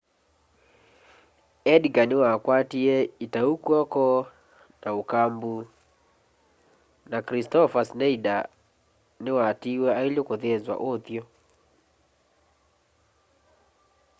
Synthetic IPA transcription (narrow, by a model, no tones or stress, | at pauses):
ɛdɡanewakwatiɛitaukɔkɔ | naokambu | nakɾistɔfasnɛida | newatiwɛailjokoðezwa̰ʔoθjɔ